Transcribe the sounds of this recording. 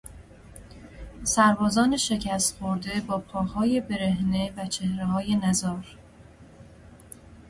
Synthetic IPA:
sæɾbɒːzɒːneʃe̞cʰæst̪xoɾd̪e̞bɒːpʰɒːhɒːje̞be̞ɾe̞hnevæt͡ʃʰe̞hɾehɒːje̞næzɒːɾ

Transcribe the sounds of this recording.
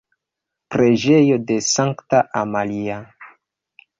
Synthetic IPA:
pɾe̞d͡ʒe̞jo̞de̞saŋktaʔamalia

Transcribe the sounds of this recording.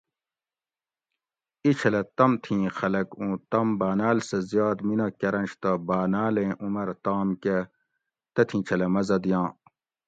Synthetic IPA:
it͡ɕʰɐlɐt̪ɐmt̪ʰĩːxɐlɐkũːt̪ɐmbaːnaːlsɐzijɑːd̪minɐkɐɾɐnt͡ʃt̪ɐbaːnaːlẽːʔumɐɾt̪aːmke | t̪ɐt̪ʰĩːt͡ɕʰɐlɐmɐzɐd̪jãː

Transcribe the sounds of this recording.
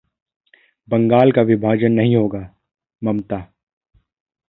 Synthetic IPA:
bɐ̃ŋɡaːlkaʋɪbʱaːd͡ʒənːɐɦĩɦoːɡaː | mɐmt̪aː

